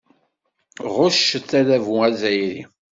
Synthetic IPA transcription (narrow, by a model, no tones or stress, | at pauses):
ʁʊʃəθælævuæzæjɾi